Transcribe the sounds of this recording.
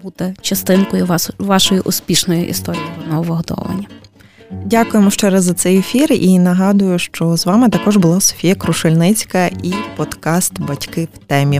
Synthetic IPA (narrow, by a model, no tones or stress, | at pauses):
but̪ɛt͡ʃɐst̪ɪnkɔjʊʋɑʃɔjiʔʊspʲiʃnɔjiʔḭst̪ɔɾʲijiɔnɔɔʋɪɦɔd̪ɔ̰ʋɐ̰nʲːɐ | dʲakʊjemɔʃt͡ʃɛɾɐzɐt̪sɛjefʲirinɐɦɑd̪ʊjʊʃt͡ʃɔzʋɑmɪt̪ɐkɔʒbʊlˠɑsɔ̥fʲijɐkɾʊʃɪlʲnɪt͡sʲkɐʔipɔd̪kɑst̪bɐtʲkɪwt̪ɛmʲi